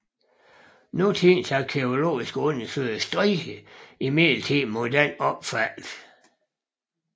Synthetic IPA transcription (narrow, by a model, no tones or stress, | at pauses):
nut͡sʰinsækʰeo̝lo̝̰ːisɡ̥ɔnəføsd̥ʁihəimel̩t͡sʰimod̥ænɒb̥fæl̰ð̥